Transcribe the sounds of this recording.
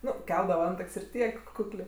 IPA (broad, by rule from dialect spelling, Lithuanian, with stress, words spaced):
ˈnʊ ˈkʲɛlˠdɐʋɐ ˈɐntɐkʲsʲ ɪr ˈtʲiɛk ˈkʊklʲeː